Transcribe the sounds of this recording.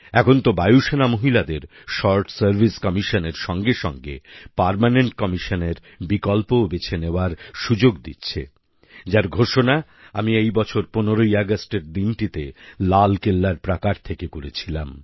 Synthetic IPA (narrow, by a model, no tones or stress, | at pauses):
ɛkʰont̪obajuʃenamoɦilad̪eɾ | ʃɔɾʈsaɾbʱiskɔmiʃoneɾʃɔŋɡeʃɔŋɡḛpaɾmaneɳʈkɔmiʃoneɾ | bikɔlpobet͡ɕʰeneoaɾʃud͡ʑoɡd̪ḭtːɕʰḛ | d͡ʑaɾɡʱoʃona | amiejbɔt͡ɕʰoɾponeɾoiaɡasʈeɾd̪inʈit̪elalkelːaɾpɾakaɾt̪ʰekekoɾet͡ɕʰilam